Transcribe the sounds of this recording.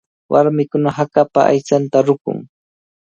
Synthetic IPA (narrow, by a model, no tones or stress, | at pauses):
wʔaɾmɪkʊnahakapaʔa̰jt͡ʃant̪aɾʊkʊ̰ŋ